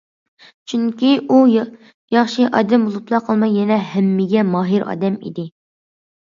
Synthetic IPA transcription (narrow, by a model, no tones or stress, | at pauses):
t͡ʃʰyŋkʲiʔu | jɑχʃiʔɑ̰ːd̪ɛmbolˠuplˠɑqʰəlˠmɑjɛnɛɦɛmːɪɡʲɛmɑːɦiɾɑ̰ːd̪ɛmḭd̪ɪ